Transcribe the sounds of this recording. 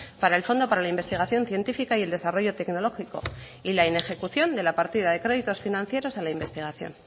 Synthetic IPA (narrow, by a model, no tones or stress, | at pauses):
paɾae̞lfo̞nd̪o̞paɾalaimbe̞st̪iɣ̞aθjo̞nθje̞nt̪ifikaie̞ld̪e̞saro̞ʝo̞t̪e̞kno̞lo̞xiko̞̰ | ilaine̞xe̞kuθjo̞nd̪e̞lapaɾt̪ið̞aðe̞kɾe̞ðit̪o̞sfinãn̟θje̞ɾo̞salaimbe̞st̪iɣ̞aθjo̞̰n